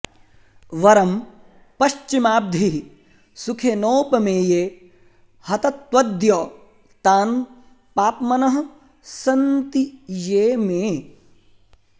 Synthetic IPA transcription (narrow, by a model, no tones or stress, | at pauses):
ʋɐɾɐm | pɐʃt͡ʃimaːb̚d̪ʱi | sukʰenoːpɐmeːjeː | hɐt̪ɐt̪ʋɐd̪jɔː | t̪aːn | paːpmɐnɐɦɐ | sɐnt̪ijeːmeː